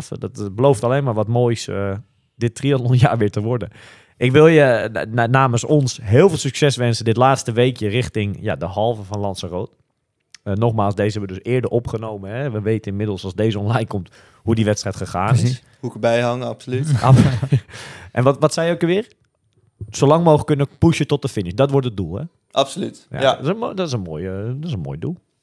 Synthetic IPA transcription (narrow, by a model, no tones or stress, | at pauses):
fdɔtbəlowftaleːnmaːɹʋɔtmoːjsə | dɪtriəɔnja̰ːɹʋɪːɹtəʋɔɹdən | ʔɪkʋɪlˠjənaːməsɔnsɦɪːlˠvɪːlˠsyksɛsʋɛnsəndɪtlaːtstəʋeːkjərɪxtɪŋjadəɦɑlˠvəvɔnlɑnsəroːt | ənɔxmaːlˠsdeːzəɛbʋədøsɪːɹdərɔpχənowmənɦɛʋəʋeːtənɪnmɪdəl̩ˠsɑlˠsdeːzəɔnlɛjnkomt | hudiʋɛtstrɛjtχəxaːnɪs | hukəbɛjhaŋapsolytap | ʔɛnʋɔʋɔtsɛjokəʋɪːr | solɑŋmoːxəkːønəpuʃjətɔt̚dəfɪnɪdɔtʋʊɹtət̚dulˠɛ̰ | ʔapsolytja̰dɔtɪsənmoːjədɔtɪsənmo̰ːjdulˠ